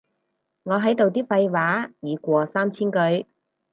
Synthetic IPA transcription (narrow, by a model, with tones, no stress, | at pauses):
ŋɔː˨˧ɦɐ˨˥jt̪o˨wt̪iː˥fɐ˧jwaː˨˥jiː˨˧kʷɔː˧saː˥mt͡sʰiː˥nkɵ˨˧ɥ